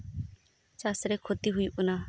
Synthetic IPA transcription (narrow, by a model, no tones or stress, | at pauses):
t͡ʃaːsɾeːkʰoːt̪iɦʊiːʔʊnaː